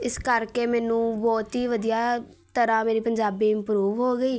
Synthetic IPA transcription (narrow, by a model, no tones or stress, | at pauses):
ɪskəɾkeːmɛːnũːbɔːt̪ɦiːʋəd̪ijaː | t̪əɾãːmeːɾiːpəɲd͡ʒaːbiːɪmpɾuːʋɦoːɡəiː